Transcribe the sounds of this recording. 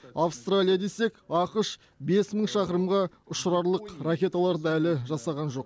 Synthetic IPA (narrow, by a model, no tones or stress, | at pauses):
ɑfst̪ralʲijad̪e̞se̞kʲɑqəʃ | be̞sməɴʃɑqəɾəmʁɑ | ʊʃɾɑɾlˠəqrakʲe̞t̪alˠɑɾd̪ɑælɪʒɑsɑʁɑnʒo̞q